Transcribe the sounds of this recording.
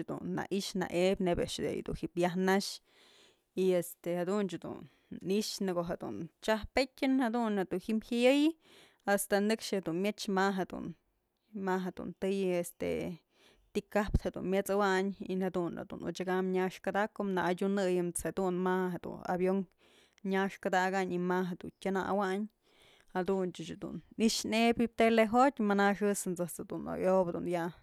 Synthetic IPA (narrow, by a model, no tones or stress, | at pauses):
d̪ṵnːa̰ʔiʂna̰ʔebʲnebeʔʂd̪ḛj̰d̪ṵnhipjahnaʃ | iest̪ehad̪unt͡ʃɨd̪ṵn | iʔʂnɨɡoɦed̪ṵnt͡ʃahpetʲɨnhed̪unhed̪unhimhajɨjɨ | ast̪anɨkʂhed̪unmʲjet͡ʃmaɦed̪ṵn | maɦed̪̥ṵnt̪ɨjest̪ḛ | t̪ikapt̪hed̪ṵnmʲjet͡sawaʔɲḭnhed̪una̰d̪ṵnṵt͡ʃaɡamɲaʂkad̪aʔkomnaʔdʲunɨjɨmt͡shed̪unmaɦed̪ṵna̰bjoŋ | ɲaʂkad̪aɡaʔɲimaɦed̪ṵntʲana̰waʔɲ | had̪unt͡ʃɨt͡ʃd̪ṵniʂnebit̪eleɦot̪ʲmanaʂɨsɨnt͡sɨt͡sɨd̪uno̰jobd̪unja